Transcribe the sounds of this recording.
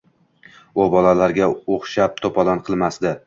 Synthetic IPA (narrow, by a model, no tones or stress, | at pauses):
ʊbɒlalaɾɡʲaoχʃap̚t̪ʰopʰɒlanqʰɨlˠmasd̪ɪ